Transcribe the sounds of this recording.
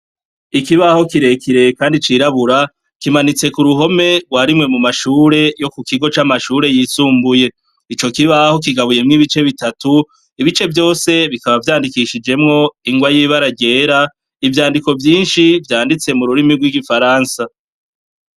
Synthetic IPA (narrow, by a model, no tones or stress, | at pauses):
ikiβaho̞kiɾekiɾekaːndit͡ʃiɾaβuɾa | kimanit͡se̞kuɾuɦo̞me̞ɡwaɾimŋe̞mumaʃuːɾe̞jo̞kukiɡo̞t͡ʃamaʃuːɾe̞jisuːmbuje̞ | it͡ʃo̞kiβaho̞k̬iɡaβuje̞mŋiβit͡ʃe̞βitatu | iβit͡ʃe̞vjo̞ːse̞βikaβavjaːndikiʃid͡ʒe̞mŋo̞iŋɡwajiːβaɾaɟe̞ːɾa | ivjaːndiko̞vjiːnʃivjaːndit͡se̞muɾuɾimiɡwiɡifaɾaːnsa